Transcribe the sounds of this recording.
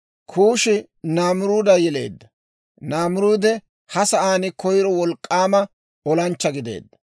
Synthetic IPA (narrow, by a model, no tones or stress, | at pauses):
kʰuːʃɪ | naːmʊɾuːd̪ɐjɛle̞̰ːd̪ːɐ̥ | naːmʊɾuːd̪ɛ | hɐsɐʔaːnɪkɔjɪɾɔwɔlkʼːaːmɐ | ɔlɐnt͡ʃːɐɡɪd̪e̞̰ːd̪ːɐ̥